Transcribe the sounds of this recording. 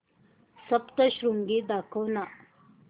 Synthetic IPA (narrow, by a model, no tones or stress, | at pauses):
sɐpt̪ɐʃɾuŋɡid̪aːkʰona